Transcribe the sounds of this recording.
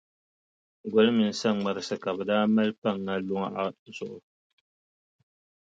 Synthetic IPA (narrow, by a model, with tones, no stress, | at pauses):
ɡɔ˨lɨ˦mɨ˨n̩˨sa˦ŋ͡ma˨ɾɨ˨sɨ˨ka˨bɨ˨daː˦ma˦lpa˦˨ŋːa˦lʊ˦ŋa˦˨ʔa˦zʊ˨ʔʊ˨